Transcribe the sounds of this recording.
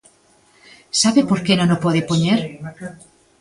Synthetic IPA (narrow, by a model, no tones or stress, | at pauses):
saβepoɾkenõnopoðepoɲeɾ